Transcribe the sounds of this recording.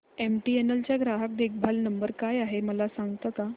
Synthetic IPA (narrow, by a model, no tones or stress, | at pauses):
emʈienəlt͡ɕjaɡɾaɦak̚d̪ek̚ʰbʱalnəmbəɾkajaɦeməlasaŋɡt̪əka